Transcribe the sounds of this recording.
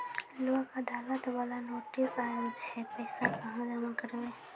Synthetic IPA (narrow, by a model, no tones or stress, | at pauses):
loakəd̪ʱalət̪ʋalanoʈisajəlt͡ʃʰɛpəɪsakəɦãd͡ʒamakəɾbe